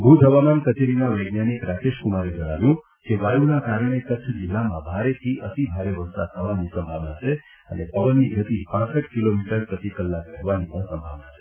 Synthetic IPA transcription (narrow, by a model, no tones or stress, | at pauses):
bʱud̪ʱɦəʋamankət͡ʃeɾinaʋəjɡnanikɾakeʃkumaɾed͡ʒəɽ̃aʋjũ | keʋajunakaɾəɽ̃ekətːt͡ʃʰd͡ʒɪlːamãbʱaɾet̪ʰiʔət̪ibʱaɾeʋəɾsa̰d̪̚t̪ʰəʋanisəmbʱaʋnat͡ʃʰe | ənepəʋənːiɡʱət̪ipãsəʈkilomiʈəɾpɾət̪ikəlːakɾɛɦʋanipə̃ɾsəmbʱaʋnat͡ʃʰe̥